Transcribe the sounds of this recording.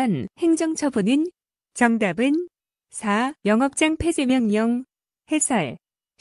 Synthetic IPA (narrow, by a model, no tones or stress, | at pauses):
nheŋd͡ʑʌŋt͡ɕʰʌbunɯn | t͡ɕʌŋdabɯn | sʰajʌŋʌp̚t͡ɕ͈aŋpʰe̞d͡ʑemjʌŋɲʌŋ | he̞sʰaɭ